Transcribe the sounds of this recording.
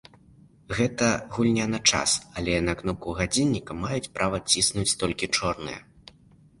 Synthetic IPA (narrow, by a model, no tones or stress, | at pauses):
ɣɛt̪ɐɣulʲnʲanɐt͡ʂa̰sɐlʲɛnɐkn̪ɔp̚kuɣad͡zʲinʲːikɐmajut͡sʲpɾʔavɐt͡sʲisnut͡sʲt̪ɔlʲkʲit͡ʂɔrnɨ̰jɛ̰